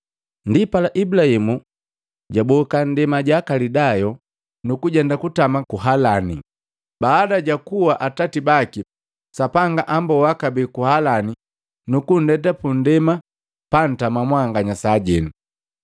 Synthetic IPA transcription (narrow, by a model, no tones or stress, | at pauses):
ndipalaʔibulahimu | ɟabɔkan̩dɛmaɟakalidajɔ | nukuɟɛndakutamakuɦalani | baːdaɟakuwaʔatatibaki | sapaŋɡaʔambɔwakabikuhalani | nukun̩dɛt̬apun̩dɛma | pan̩tamamwaŋɡaɲasaɟɛnu